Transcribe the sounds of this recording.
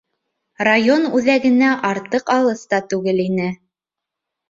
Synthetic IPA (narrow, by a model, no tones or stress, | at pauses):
rajonʉðæɡɘ̆næʔɑɾt̪ɤqɑlˠɤst̪ɑt̪ʉɡɘlinɘ